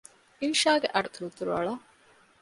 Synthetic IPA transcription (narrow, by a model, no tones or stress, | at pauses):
inʃaːɡeʔɐɖut̪uɾut̪uɾuɐ̰ɭɐ